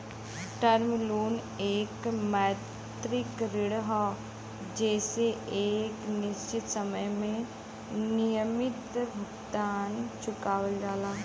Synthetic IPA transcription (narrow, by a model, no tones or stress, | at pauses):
ʈəɾmɪluːn | eːkmɛː | t̪ɾɪkɾɪɽɦa | d͡ʒɛːseʔeːknɪʃt͡ʃɪt̪səməjmẽ | nijəmɪt̪bʱɐɡt̪aːnt͡ʃʊkaːwəld͡ʒaːlaː